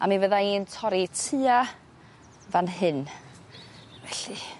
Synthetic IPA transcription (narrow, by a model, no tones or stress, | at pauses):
a̰minvəðaiːntʰɔɾitʰɨa | vanɦɨn | vɛɬi